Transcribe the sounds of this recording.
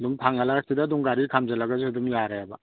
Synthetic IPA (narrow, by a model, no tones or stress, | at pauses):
duŋpʰaŋɐlaɾasidɐduŋɡaɾikʰamd͡ʒɐlɐɡɐzihudumjaɾejabɐ